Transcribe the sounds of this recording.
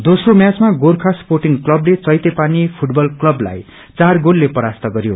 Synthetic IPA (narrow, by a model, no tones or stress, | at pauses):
d̪osromjat͡smaɡorkʰasporʈiŋklʌblet͡sʌjt̪epanipʰuʈbʌlklʌbla̰j | t͡sarɡolːepʌɾast̪ʌɡʌɾjo̰